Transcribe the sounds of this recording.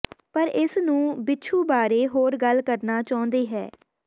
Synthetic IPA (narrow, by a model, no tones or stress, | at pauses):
pəɾɪsnũːbɪtːʃʰuːbaːɾeːɦoːɾɡəlkəɾnaːt͡ʃaːʊ̃nd̪eːɦɛ̰ː